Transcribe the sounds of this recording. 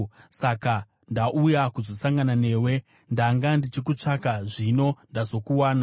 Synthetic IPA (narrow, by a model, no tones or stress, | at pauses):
saka | ndaʔujakuzo̞saŋɡanane̞ːwe̞ | ndaŋɡandit͡ʃik̬ut͡ʂakaʐino̞ndazo̞kuwaːna